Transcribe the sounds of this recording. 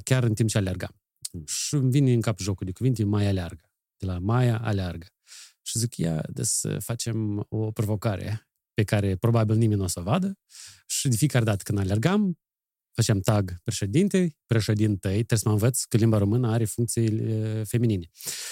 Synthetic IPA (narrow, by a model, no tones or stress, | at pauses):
kʲarɨnt̪impt͡ʃealʲerɡa̰m | ʃimvinʲɨŋkapʒo̞kurd̪ekuvint̪emajalʲearɡə | d̪̥elamajaa̰learɡə | ʃizikja̰d̪ḛsə̰fat͡ʃe̞mopɾo̞vo̞kaɾḛ | pe̞kaɾe̞pɾo̞babilnimenʲnasovad̪əʃid̪ʲefiekaɾed̪at̪ə̥kɨnalʲerɡam | fat͡ʃɪamt̪aɡpɾeʃed̪int̪epɾeʃed̪int̪əjt̪ɾesəməɨnvət̪skəlimbaɾo̞mɨnəaɾe̞fuŋk̚t̪sijefe̞minine